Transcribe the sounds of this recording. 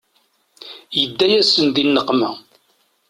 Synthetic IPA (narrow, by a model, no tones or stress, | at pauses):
jəd̪ːæjæsənðinːəqːmæ